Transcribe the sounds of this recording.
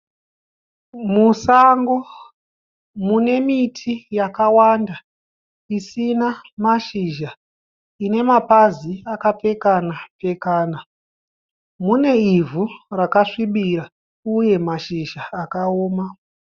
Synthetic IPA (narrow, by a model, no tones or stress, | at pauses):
musaŋɡo̞ | mune̞mitʰijakawanda | isinamaʃiʒa | ine̞mapaziakap͡fe̞kanap͡fe̞kaːna | mune̞ivʱurakaʂiɓiɾa | uje̞maʃiʒaːkaoːma